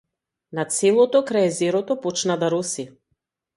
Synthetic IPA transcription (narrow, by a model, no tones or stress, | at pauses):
nat̪sɛlˠɔt̪ɔkɾaɛzɛɾɔt̪ɔpɔt͡ʃnad̪aɾɔsi